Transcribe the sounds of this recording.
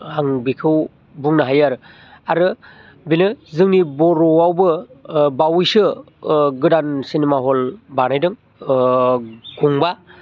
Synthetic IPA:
aŋbikʰɯw | buŋnɯɦajaɾɯ | aɾɯ | binɯzɯŋnibɔɾɔwawbɯbawjsɯ | ɡɯdansinimaɦɔlbanajdɯŋ | ɡuŋba

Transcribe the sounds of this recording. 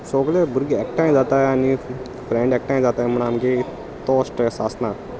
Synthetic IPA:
soːɡlebʊɾɡɛk̚ʈãːĩzaːt̪aːni | fɾɛ̃ːɳɖek̚ʈãːĩzaːt̪aːmənaːmɡe | t̪oːsʈɛsaːsnãː

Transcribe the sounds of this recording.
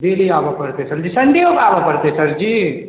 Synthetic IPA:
d̪eːliaːbɐpɐɾt̪esɐɾd͡ʒisɐnd̪iokaːbapɐɾt̪esɐɾd͡ʒiː

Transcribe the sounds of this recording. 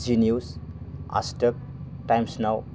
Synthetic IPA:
zinjusa̰sʈək̚ | ʈajmsnaw

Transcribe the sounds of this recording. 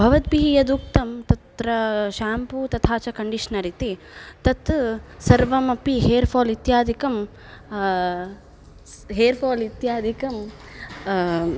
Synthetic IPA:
bʱɐʋɐt̪̚biɦijɐd̪uk̚t̪ɐmt̪ɐt̪ɾɐʃaːmput̪ɐt̪ʰaːt͡ʃɐkɐɳɖiʂnɐɾit̪i | t̪ɐt̪sɐɾʋɐmɐpiɦeːɾpʰoːlit̪jaːd̪ʱikɐm | ɦeːɾpʰoːlit̪jaːd̪ʱikɐm

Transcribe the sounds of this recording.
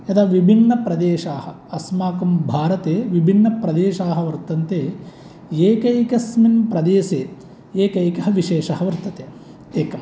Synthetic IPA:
ed̪aːʋibʱinːɐpɾɐd̪eːʃaːhɐ | ɐsmaːkumbʱaːɾɐt̪eːʋibʱinːɐpɾɐd̪eːʃaːɦɐ̆ʋɐɾt̪ɐnt̪eː | eːkɐjkɐsminpɾɐd̪eːseː | eːkɐjkɐɦɐʋiʃeːʂɐɦɐʋɐɾt̪ɐt̪eː | eːkɐm

